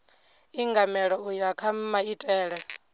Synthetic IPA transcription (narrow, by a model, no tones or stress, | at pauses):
iŋɡamɛɺɔujakʰammaitʼɛːɺɛ